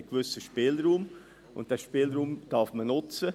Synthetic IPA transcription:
kvʏsəʃpɪːlɾuːm | ʔʊ̰nt̚d̥ɛːʃpiːlɾuːmd̥ɑfmənʊt͡sə

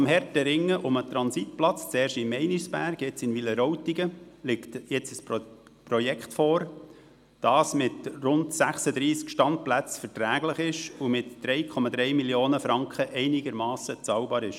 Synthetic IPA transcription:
mhɛɾtəɾɪŋːəʔʊmət̪ɾɑnsit̚plɑt͡st͡sɛːɾʃtɪmmːɛɪnisb̥æɾɡɛt͡sɪnviləɾoʊtiɡəlɪktjɛt͡səs | prɔjɛkχtfɔːɾ | d̥ɑːsmɪtrʊndsæχsəd̪ɾiːskʃtɑnt̚plæt͡sfɛɾtɾæːɡləχɪʃumɪtd̥ɾɛɪkʰɔmɑd̪ɾɛɪmiljoːnəfɾɑŋkʰχəʔɛɪniɡəɾmɑːsət͡sɑwbɑːɾɪʃ

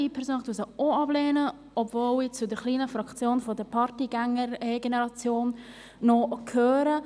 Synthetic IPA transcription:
ipʰɛɾsoːnd̥usəoɑbleːnə | ɔbvoːlɪt͡sudəɾχliːnəfɾɑkt͡sjoːnfɔdəɾpʰɑɾtiɡɛŋəɡenəɾɑt͡sjoːnː | ɔkʰøːɾə

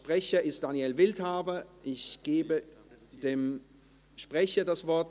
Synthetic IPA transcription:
pʁ̥ɛçɐɪstd̥aːnjɛlvɪlthaːbɐʔɪçɡ̥eːbəd̥eːm | ʃpʁ̥ɛçɐdasv̥ɔɐt

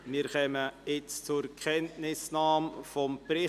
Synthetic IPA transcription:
mɪːɾχœməɪt͡st͡sʊɾkχɛntnɪsnɑːmfɔmprɪ

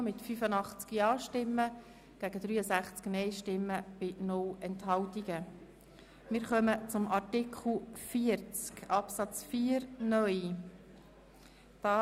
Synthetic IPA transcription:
mɪtfyfənɑχt͡skiɑːʃtɪmːə | ɡ̥æɡədɾyːəsæχt͡sknɛɪʃtɪmːəb̥ɪnʊlɛnthɑltiɡə | mɪɾχœmət͡sʊmʔɑɾtɪkχl̩fiəɾt͡skɑpsɑt͡sfiːəɾnœj | d̥ɑː

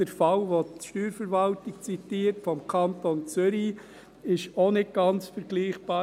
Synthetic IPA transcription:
d̥ɛɾfɑlʋoʃtyːɾfəɾvɑltɪk̚t͡sit̪iːəɾtfɔmkʰɑntont͡sʏɾi | ɪʃonɪt̚ɡ̥ɑnt͡sfəɾɡ̥liːχb̥ɑː

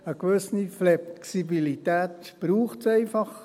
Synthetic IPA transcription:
əkʋʏsniflɛsibilit̪æːt̪ | b̥ɾuːχtsɛɪfɑχ

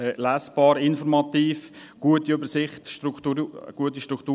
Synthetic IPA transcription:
læːsb̥ɑːɾɪnfɔɾmɑt̪iːfɡ̥uətiøbəɾsɪχt̪ʃtɾutːɡ̥uətːiʃtɾukt̪uː

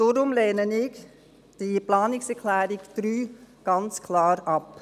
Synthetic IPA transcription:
d̥oːɾʊmlɛːnənɪɡ | d̥iplɑːnɪksɛɾkʰlɛːɾɪɡd̪̥ɾyːɡ̥ɑnt͡skʰlɑːɾɑp

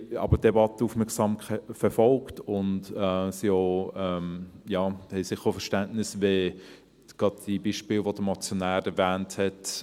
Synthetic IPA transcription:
ɑ̰ːbəd̥ɛbɑtəufmɛɐksɑːmkɛfɛfɔlktʊntɛsioɛmjɑːhɛɪsɪχəɾofɛʃtæntnɪsʋe | ɡ̥ɑdd̥ibiːʃpɪːlʋod̥əmɑt͡sjonæːɾɛɾvæːnthɛt

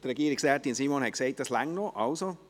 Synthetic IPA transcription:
d̥̪əɾɛɡiːɾɪksɛt̪insiːmonhɛkseɪt̚d̥ɑslaŋnoʔɑlso

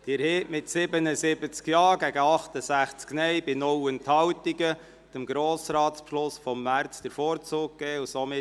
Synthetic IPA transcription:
d̥iɛɾheːʔmɪtsɪbənəsɪbət͡skjɑːɾɡæɡəɑχt̪əsæχt͡sknɛɪbɪnɔwənthɑwtiɡə | t͡səmɡɾoːsɾɑːtspʃlʊsfɔmːæɾt͡sd̥̪əɾfoːɾt͡suːk̚ːɡ̥ɛːusoːmɪ

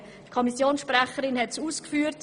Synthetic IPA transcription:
tkʰɔmisjoːnsʃprɛχəɾɪnhɛtsuːskfyːɾt

